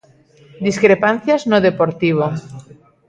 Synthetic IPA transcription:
d̪iskɾepan̟θjaznoðepoɾt̪iβ̞o

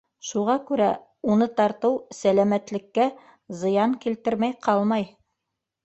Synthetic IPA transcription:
ʃuʁɑkʉɾæ | unɤt̪ɑɾt̪ɤwsælæmæt̪lɘ̆kːæ | zɤ̆jɑŋkilt̪ɘɾmæjqɑlˠmɑj

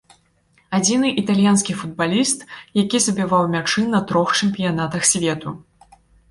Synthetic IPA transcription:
ad͡zʲinɨʔit̪alʲjanskʲifud̪̚balʲist̪jakʲizɐbʲivawmʲat͡ʂɨnɐt̪ɾɔxt͡ʂɛmʲpʲijanat̪ɐxsʲvʲɛt̪u

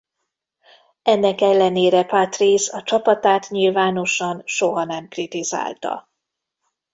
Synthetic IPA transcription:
ɛnːɛkɛlːɛneːɾɛpat̪rizɒt͡ʃɒpɒt̪aːt̪ɲilvaːno̞ʃɒnʃo̞ɦɒnɛmkrit̪iza̰ːlt̪ɒ̰

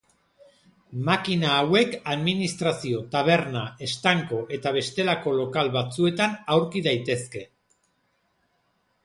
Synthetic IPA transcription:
makinaːwe̞kaðminist̪ɾasio̞t̪aβ̞e̞ɾnae̞st̪aŋko̞ʔe̞t̪aβ̞e̞st̪e̞lako̞lo̞kalβat͡sue̞t̪anawɾkiðajt̪e̞ske̞

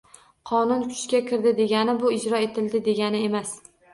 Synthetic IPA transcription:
qʰɒnʊnkʰʊ̥t͡ʃkʲakʲʰɪɾd̪ɪd̪e̞ɡʲanɪbʊɪd͡ʒɾɒe̞t̪ʰɪld̪ɪd̪e̞ɡʲanɪe̞mas

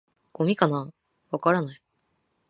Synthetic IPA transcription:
ɡ̥o̞mʲikana | βakaɾanai

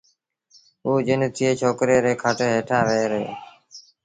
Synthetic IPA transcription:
ɦuːd͡ʒɪnt̪ʰɪeːt͡ʃʰoːkɾeːɾeːkʰəʈeɦeːʈʰãːʋeːɾḛː

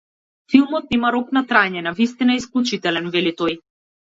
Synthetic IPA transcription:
filˠmɔt̪̚nɛmaɾɔknat̪ɾaɲɛnavist̪inaɛisklˠut͡ʃit̪ɛlɛnvɛlit̪ɔj

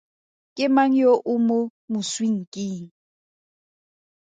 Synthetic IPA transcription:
kʼɪmaŋ̩joʔʊmomʊswiŋ̩kʼiŋ̩

